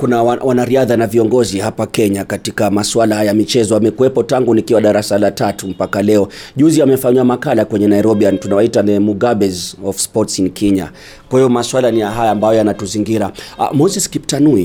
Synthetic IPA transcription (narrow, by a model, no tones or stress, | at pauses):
kunawawanaɾiaðanaviɔŋɡɔzihapakɛɲakatikamaswalahajamit͡ʃɛzɔamɛkuwɛpɔtaŋɡunikiwaɗaɾasalatatum̩pakalɛɔʄuziamɛfaɲuwamakalakwɛɲɛnaiɾɔɓiantunawaitanɛmuɡaɓɛzɔfspɔtsinkʰɛɲa̰ | kwahijɔmaswalanijaɦajaːmbajɔjanatuziŋɡiɾa̰mɔzɛskiptanui